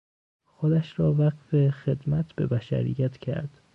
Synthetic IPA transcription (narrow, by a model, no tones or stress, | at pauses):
xod̪æʃɾɒːvæɢfe̞xed̪mæt̪ʰb̥e̞bæʃæ̰ɾḭjːæt̪ʰcʰæ̰ɾd̪̥